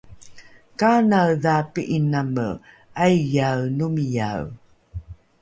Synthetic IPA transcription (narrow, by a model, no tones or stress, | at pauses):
kanawðapiʔinamə̰ | ʔajjawnumija̰w